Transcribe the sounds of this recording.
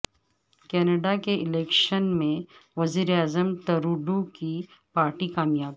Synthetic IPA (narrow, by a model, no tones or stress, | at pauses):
kɛːnəɖakeʔɪleːkʃənmẽʋɐziːɾeaːzəmt̪ɐɾuːɖukipaːɾʈikaːmjaːb